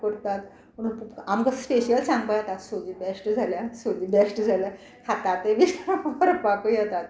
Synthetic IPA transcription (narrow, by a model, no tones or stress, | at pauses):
kəɽt̪at̪ | pəɽ̃ũamkaspeɕijəlsãŋɡbəjat̪at̪sod͡ʑiːbesʈd͡zʱaljasod͡ʑibesʈd͡zʱalja | kʰat̪at̪eʋiskbɔɾəpakujat̪at̪